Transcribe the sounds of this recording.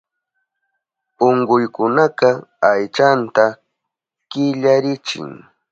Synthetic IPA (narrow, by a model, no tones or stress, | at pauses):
oɴɢʊjkʊnaqɑajt͡ʃant̪a | kɪʎaɾɪt͡ʃɪ̰ŋ